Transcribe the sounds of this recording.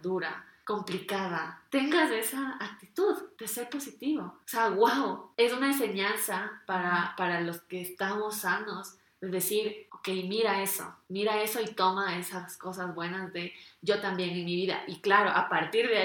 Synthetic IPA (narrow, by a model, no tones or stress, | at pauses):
ðuɾako̞mplikaðat̪e̞ŋɡase̞saːk̚t̪it̪uðd̪̥e̞se̞ɾpo̞sit̪iβooseaɣwawe̞sunaens̬e̞ɲansapaɾapaɾalo̞ske̞ːst̪amo̞sːano̞z | ðe̞ðe̞siɾoke̞jmiɾae̞so̰miɾae̞so̞it̪o̞mae̞sasko̞sazβwe̞nazðe̞ɟ͡ʝo̞t̪ambje̞nenmiβiða̰ʔiklaɾoʔapaɾt̪iɾðe